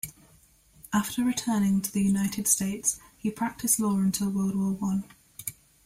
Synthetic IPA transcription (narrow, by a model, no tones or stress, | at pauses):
ʔaftəɹɪtʰɜːnɪ̃ŋtʰəðəjʉnaɪtʰɪd̥steɪtshipʰɹ̥ak̚tʰɪslɔːɹə̃ntʰɪlˠwɜːlˠd̚wəːlˠwʌ̃n